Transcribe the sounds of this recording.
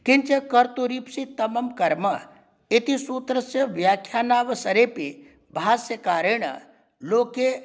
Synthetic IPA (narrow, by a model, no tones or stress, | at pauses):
kɪnt͡ʃɐkɐɾt̪uɾipsit̪ɐmɐmkɐɾmɐ | ɪt̪isuːt̪ɾɐsjɐʋjaːkʰjaːnaːʋɐsɐɾeːpe | bʱaːsjɐkaːɾəɳɐ̰ | loːke